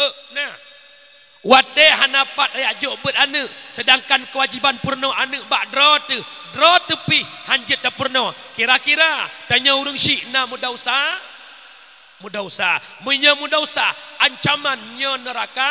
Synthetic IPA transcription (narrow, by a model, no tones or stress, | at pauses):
əʔna | wat̪ɛɦanapat̪̚ajaʔd͡ʒɔʔbət̪̚anəʔsədaŋkankəwad͡ʒibanpurnɔʔanɨʔ̚baʔdɾɔt̪ə | dɾɔt̪əpihhaɲd͡ʒət̪̚ːapurnɔ | kiɾakiɾat̪əɲauɾəŋʃiʔnamudausa | mudausaməɲɔmudausaaɲt͡ʃamanɲɔnəɾaka